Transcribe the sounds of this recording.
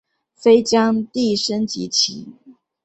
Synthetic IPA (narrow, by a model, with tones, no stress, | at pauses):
fe˥ɪt͡ɕjɑ˥ŋt̪i˥˩ʂə˥nt͡ɕḭ˧˥t͡ɕʰḭ˧˥